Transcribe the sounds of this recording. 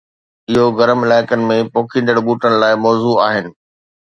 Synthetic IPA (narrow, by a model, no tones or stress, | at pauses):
ɪɦoɣɐɾəmɪlaːɪkənɪ̆mẽpoːkʰĩːnd̪əɽɓuːʈənɪ̆laːɪmɔːzuaːɦɪnɪ̆